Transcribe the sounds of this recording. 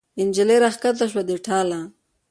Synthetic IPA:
ɪnd͡ʒɪleɾaxkat̪̬aʃwad̪eʈʰɑla

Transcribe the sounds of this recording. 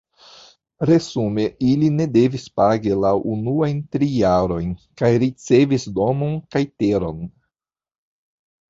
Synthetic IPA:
ɾe̞zumeiline̞de̞vispaɡilawʔunuajntɾijaɾo̞jnkajɾit͡se̞visdo̞mo̞nkajteɾo̞n

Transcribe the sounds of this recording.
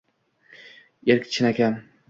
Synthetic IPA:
eɾkʲʰɪ̥t͡ʃʰɪnakʲan

